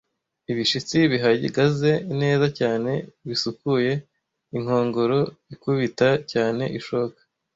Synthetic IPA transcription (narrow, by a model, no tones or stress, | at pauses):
iβiʃit͡siβiɦaɟḭɡaze̞ine̞ːzacaːne̞βisukuje̞ | iŋ̥ho̞ːŋɡo̞ɾo̞ikuβitacaːne̞̰ʔiʃokḁ